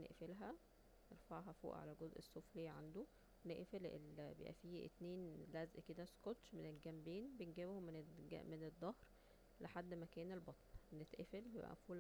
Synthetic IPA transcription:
nḛʔfelɦæ | neɾfɑʕɦɑfo̰ːʔʕa̰læɡozʔesːoːfliːʕa̰nd̪o | weneʔfelḛlbḛʔæ̰fiːḛt̪neːnlæzʔked̪æskot̪ʃmenelɡæmbiːnbenɡebhom̰mened̪ˤːɑhɾ | leħad̪ːmækæːnelbɑt̪ˤlnet̪ʔefelbjḛbʔæ̰mfuːl

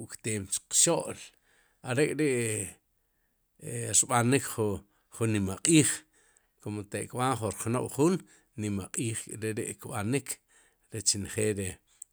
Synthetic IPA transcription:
ʔkt̪eːmt͡ʃqʃoʔl | aɾekʼɾeʔ | ɾɓanikχ | χunːimaqʼiːχ | kʰomot̪eʔkɓanχuɾχnoɓχunː | imaqʼiːχkʼɾeɾeʔkɓanikʰ | ɾet͡ʃinχeːɾe

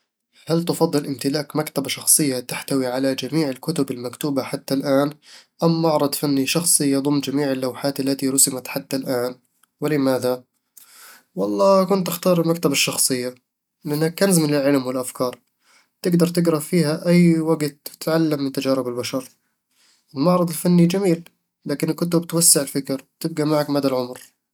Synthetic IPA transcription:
halt̪ʊfɑd̪ˤːɨlʔɪmt̪ɪlaːkmakt̪abaʃɑxsˤɨjːat̪aħt̪awiʕalad͡ʒamiːʕɪlkʊt̪ʊbɪlmakt̪uːbaħat̪ːalʔaːnʔamːɑʕɾˤɑd̪ˤfanːiʃɑxsˤɨjɑðˤʊmːd͡ʒamiːʕɪlːawħaːt̪alːat̪iɾˤʊsɪmat̪ħat̪ːalʔaːn | wɪlɪmaːða | wɑlˤːɑːkʊnt̪ɪxt̪ɑːɾˤmakt̪abɪʃːɑxsˤɨjːa | lɪʔanːakːanzmɪnɪlʕɪlmwɪlʔafkɑːɾˤ | t̪ɪɡd̪ɑɾˤt̪ɪɡɾˤɑfiːhaʔajːwaɡt̪ːɪ̥tʕalːamːɪnt̪ad͡ʒaːɾɪbɪlbaʃɑɾˤ | ʔɪlmɑʕɾˤɑd̪ˤɪlfanːid͡ʒamiːl | laːkɪnɪkːʊt̪ʊbɪt̪wasːɪʕɪlfɪkɾwt̪ɪb̚ɡamaʕakmaːd̪alʕʊmɾ

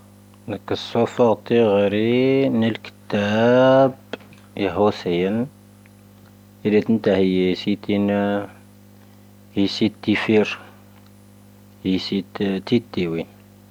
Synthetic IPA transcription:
dækːəsofɑɣt̪ːiɣɾinəlkə̥t̪ːæb | iɦusəjən | iɾit̪ənt̪æhəjːsit̪in | hisit̪ːifiɾ | hisit̪t̪it̪ːiwi

